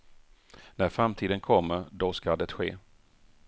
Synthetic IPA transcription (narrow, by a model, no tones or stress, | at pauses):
næɾfɾamt̪ʰiːd̪ənkʰɔmːəɾd̪ɔskad̪ɛt̪ɧeː